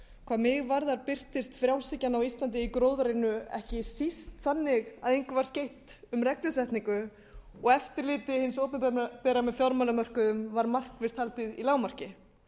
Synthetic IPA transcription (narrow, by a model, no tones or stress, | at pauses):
kʰvaːðmɪɣvaɾðaɾpɪr̥t̪ɪst̪fɾjawsɪcːanawist̪lant̪̬ɪikɾoːwðaɾɪnːʏɛ̰hcɪsist̪θanːɪɣaðejŋkʏvaɾ̥scejht̪ʏmrɛk̚nʏsɛht̪niŋkʏ | ɔɣɛft̪ɪɾliːt̪ɪhɪnsowpnapɛːɾamɛðfjɔɾmalamœr̥kʏðʏmvaɾmal̥kvɪst̪halt̪ɪðilaːwmar̥cɪ